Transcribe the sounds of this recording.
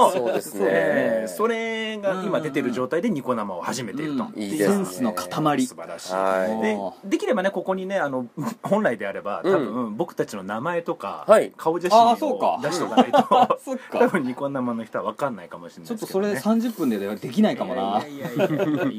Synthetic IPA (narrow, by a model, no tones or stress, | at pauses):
eso̞ɾe̞ɡaimad̪e̞t̪e̞ɾɯ̟d͡ʑo̞ːt̪aid̪e̞ɲ̟iko̞namao̞haʑime̞t̪e̞iɾɯt̪oẽɰ̃sɨno̞kʰḁt̪amaɾʲisɨbaɾa̰ɕḭd̪ed̪e̞kʲiɾe̞bane̞ko̞ko̞ɲ̟ine̞ano̞hõ̞ñɾaid̪e̞aɾe̞ba̰t̪ãbɯ̟̃bo̞kɯ̟t̪at͡ɕino̞namae̞t̪o̞ka̰aikʰao̞ʑaiiooka̰dd̪aɕit̪oaaiook̪ːabɯ̟̃ɲiko̞namano̞çi̥t̪o̞aβakãnːaikamo̞ɕinaot̪ːoesoɾesãɲ̟d͡ʑɨpːɯ̃nd̪ed̪e̞kʲinaikamonaia